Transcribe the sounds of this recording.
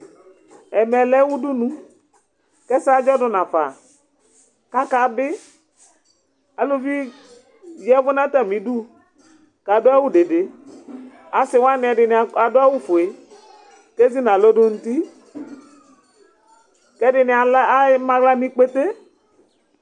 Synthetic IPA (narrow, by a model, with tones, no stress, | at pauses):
ɛ˨mɛ˨lɛ˦wu˦du˦nũ˦ | kɛ˦sa˦d͡ʒɔ˦dʊ˨nã˨fa˨ | ka˦ka˨bɪ˦ | a˨lo˦vi˦ | jɛ˦vʊ˦nã˦t̪a˦˨mĩ˨˦du˦ | ka˨dʊ˦a˦wʊ˦de˨de˨ | a˨sɪ˨wa˦nɪ̃˨ɛ˨dɪ˨n˨a˨dʊ˦a˦wʊ˦fʊ˨e˨ | ke˦zi˦nã˨lo˦dʊ˦n̩˦t̪i˦ | kɛ˦dɪ˨nɪ˨a˨lmã˦ɡla˦mĩ˦k͡pe˦t̪e˦